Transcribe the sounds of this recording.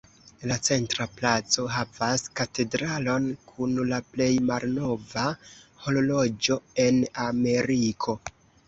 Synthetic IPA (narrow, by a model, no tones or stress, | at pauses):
lat͡se̞ntɾaplat͡so̞ɦavaskate̞dɾalo̞nkʰunlaple̞jmalno̞vaho̞lolo̞d͡ʒo̞e̞name̞ɾikʰo̞